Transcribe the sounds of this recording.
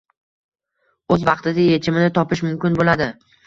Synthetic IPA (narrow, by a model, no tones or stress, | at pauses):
ɵzvɑqt̪ɪd̪ajet͡ʃʰɪmɪnɪt̪ʰɒpɪʃmʊmkʲɪnbolad̪ɪ